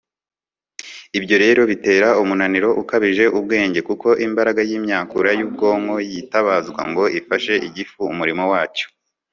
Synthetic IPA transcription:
ibɟo̞ɾe̞ːɾo̞βite̞ːɾaumunaniɾo̞ʔukaβiʒe̞ʔub̚ɡe̞ːɲɟe̞kuko̞ʔimbaɾaɡajiːmɲaːkuɾajuːb̚ɡo̞ːŋɡo̞jitaβazɡwa̰ŋɡo̞ʔifaʃe̞ʔiɟifuːmuɾimo̞waːt͡ʃo̥

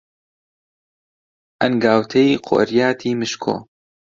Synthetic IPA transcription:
ʔɐnɡaːwt̪ʰɐjqʰo̰ːɾjaːt̪ʰiːmɨʃkʰo̰ː

